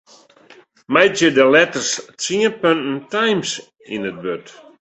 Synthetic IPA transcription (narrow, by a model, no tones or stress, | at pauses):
majtjədəlɛtərst͡siənpøntn̩tajms | inət̚bøt